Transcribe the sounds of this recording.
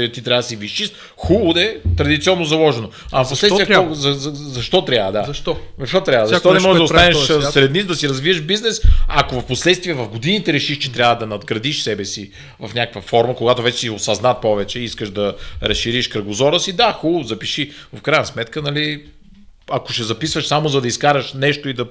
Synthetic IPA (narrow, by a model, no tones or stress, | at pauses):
t̪it̪ɾʲavəd̪siviʃiʃ | xulˠʊd̪ɛt̪ɾɐd̪it̪siɔnːozɐlˠɔʒɛnoɐposlɛt̪iːzɐzɐʃt̪ɔt̪ɾʲavəd̪azʃt̪ɔzɐʃt̪ɔt̪ɾʲavəzɐʃt̪ɔnɛʒmɔʒɛʒd̪ost̪anɛʃsɾɛd̪nizd̪ɐsiɾɐzviəʃbiznɛsɐkovɐfposlɛt̪st̪viɛvɐfɡod̪init̪ɛɾɛʃiʃt͡ʃɛ̥t̪ɾʲavəd̪ɐnɐd̪ɡɾɐd̪iʃsɛbɛsi | vɐfnʲakə̥kvɐfɔɾməkoɡat̪ovɛt͡ʃɛ̥siosɐznat̪̚pɔvɛt͡ʃɛiskəʃd̪ɐɾɐsʃiɾiʃkɾɐɡozɔɾəsid̪axulˠzɐpiʃi | fkɾajnəsmɛt̪kənɐli | ɐko̥ʃɛzɐpisvəʃsamozɐd̪ɐiskaɾɐʃnɛʃt̪oid̪ɐ